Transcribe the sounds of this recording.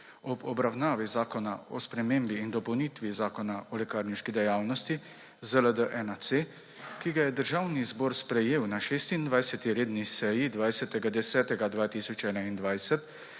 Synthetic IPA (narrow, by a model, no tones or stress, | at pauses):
ɔbɔbɾawnaːʋizaːkɔnaɔspɾɛmeːmbiːnd̪ɔpɔwnit̪ʋizaːkɔnaɔlɛkaːɾniʃkid̪ɛjaːwnɔst̪i | zələd̪əʔɛnat̪se | kiɡajɛd̪əɾʒaːwnizbɔːɾspɾɛjeːwnaʃeːst̪ind̪ʋajsɛt̪iɾeːd̪nisɛːjid̪ʋajsɛt̪ɛɡad̪ɛsɛːt̪ɛɡad̪ʋaːt̪isɔt͡ʃɛːnaind̪ʋajsɛt̪